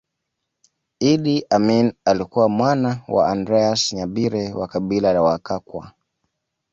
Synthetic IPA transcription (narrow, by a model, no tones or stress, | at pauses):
iɗiʔaminalikuwamwanawa̰andɾɛasɲaɓiɾɛwakaɓilalawakakwa̰